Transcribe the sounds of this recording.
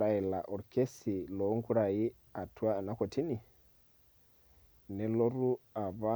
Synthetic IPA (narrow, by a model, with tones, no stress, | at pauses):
a˨ɛ˨la˨ʔɔ˨ɾkʰe˦si˨lɔ˨˦ŋ̩˦ku˦ɺa˨i˦ | a˨tʰu˦a˦a˨na˦ko˨tʰi˦ni˨ | nɛ˨lo˦ɾu˦a˨βa˦